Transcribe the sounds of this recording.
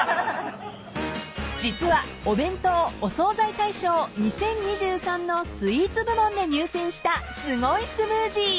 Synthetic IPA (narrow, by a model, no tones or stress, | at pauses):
d͡ʑit͡sɨβaobẽ̞nt̪o̞oso̞ːzait̪aiɕo̞ːɲ̟isẽ̞ɲ̟ːiʑɨːsãnːo̞sɨiːt͡sɨbɯ̟mõ̞nd̪e̞ɲ̟ɨːsẽ̞ɰ̃ɕi̥t̪asɨɡo̞isɨmɯːʑi